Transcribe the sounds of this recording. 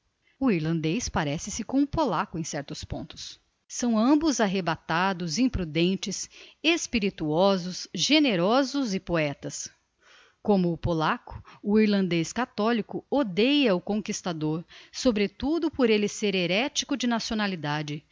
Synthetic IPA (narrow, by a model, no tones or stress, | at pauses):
ʊiɾlɐ̃nd̪ejspaɾɛsɪsɪkõw̃ʊpolakʊẽj̃sɛɾt̪ʊspõ̰nt̪ʊ̥s | sɐ̃w̃ɐ̃mbʊzaɦebat̪ad̪ʊzĩpɾud̪ẽnt͡ʃɪsespiɾit̪uɔzʊsʒeneɾɔzʊzɪpoɛt̪ɐs | kõmʊːpolakʊ̥ːiɾlɐ̃nd̪eskat̪ɔlikʊod̪ejɐʊkõkist̪ad̪oɾsobɾet̪ud̪ʊpoɾelɪseɾeɾɛt͡ʃikʊd͡ʒɪnasionalid̪ad͡ʒɪ